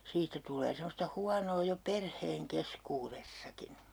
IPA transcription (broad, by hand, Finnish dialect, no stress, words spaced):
siːtːæ tulˑeː semːostɑ huɑnoː jo perheːŋ keskuːresːɑkin̞